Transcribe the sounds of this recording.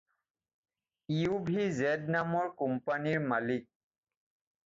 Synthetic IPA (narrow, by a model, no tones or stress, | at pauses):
iubʱizɛd̚namɔɹkumpaniɹmalik̚